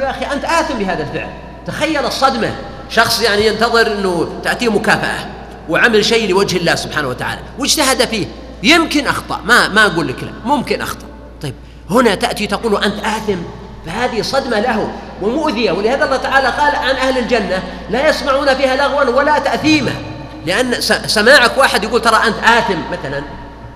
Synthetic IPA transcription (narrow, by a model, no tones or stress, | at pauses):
jaʔaxiʔant̪ʔaːθɪmbɪɦaːðalfɪ̰ʕl | t̪axajːalɑsˤːɑd̪ma | ʃɑxsˤjaʕnijɪnt̪ɑðˤɨɾʔɪnːʊt̪aʔt̪iːmʊkaːfa̰ʔa̰ | wɪʕamalʃejːlɪwad͡ʒhɪlːaːhsʊbħaːnawat̪aʕa̰ːla̰wɪd͡ʒt̪aɦad̪afiːh | jɪmkɪnʔɑ̰xt̪ˤɑ̰ʔmamaʔaɡuːlːɪkla̰mʊmkɪnʔɑ̰xt̪ˤɑ̥ʔ | t̪ˤɑjːb̚ | hʊnat̪aʔt̪it̪aquːluʔant̪ʔaːθɪm | fahaːðɪsˤɑd̪malaɦʊ | wɪmʊʔðɪjawɪlɪhaːðaʔɑlːɑːt̪aʕaːlaqɑːlʕanʔahlɪld͡ʒanːa | lajɑsmaʕuːnafiːhalaɣwanwalat̪aʔθiːma̰ | lɪʔanːsasamaːʕakwaːħɪd̪jaɡuːlt̪ɑɾˤɑʔant̪ʔaːθɪmːaθalan